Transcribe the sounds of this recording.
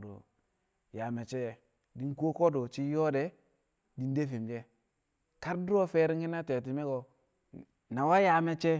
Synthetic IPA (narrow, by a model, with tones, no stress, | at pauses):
do̰˨ | ja˨me˨t͡ʃe˦˨ | di˦n˦kʷo˦ko˦do˨t͡ʃi˦jo˦de˨˦ | di˦n˦de˦fe˨md͡ʒe˦ | ka˦ɾdu˦ɾo˦fe˦ɾi˦ŋki˦na˦te˨t̬i˨me˦ɡo˨ | na˨wa˦ja˨me˨t͡ʃe˦